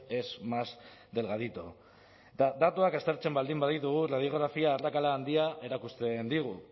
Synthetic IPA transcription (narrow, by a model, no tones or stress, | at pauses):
e̞smas | d̪e̞lɣaðit̪o | d̪at̪uakast̪e̞ɾt͡se̞mbald̪imbaðit̪uɣuraðio̞ɣ̞ɾafiaːrakalaːnd̪iaʔe̞ɾakust̪e̞nd̪iɣ̞u